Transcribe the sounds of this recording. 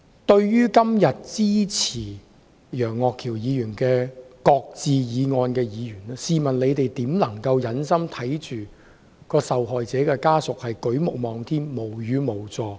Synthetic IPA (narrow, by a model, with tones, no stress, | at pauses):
t̪ɵ˧ɥjyː˥kɐ˥mjɐ˨t̚t͡siː˥t͡sʰiː˨˩ | jœː˨˩ŋːɔː˨˧kʰiː˨˩wjiː˨˧jyː˨˩nkɛː˧kɔː˧k̚t͡siː˨˧jiː˨˧ŋɔː˧nkɛː˧jiː˨˧ɥyː˨˩nɛː˥siː˨mɐ˨˩nle˨˧jt̪e˨jt̪iː˨˥mlɐ˨˩ŋkɐ˧wjɐ˨˧nsɐ˥mt̪ʰɐ˨˥jt͡ʃyː˨ | kɔː˧sɐ˨wɦɔː˨jt͡sɛː˨˥kɛː˧kaː˥sʊ˨k̚hɐ˨jkɵ˨˥ɥmʊ˨k̚mɔː˨ŋt̪ʰiː˥mːo˨˩wjyː˨˧mo˨˩wt͡sɔː˨˧